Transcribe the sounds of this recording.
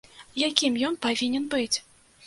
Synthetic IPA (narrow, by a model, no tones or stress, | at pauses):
jakʲimjɔnpavʲinʲɛnbɨt͡sʲ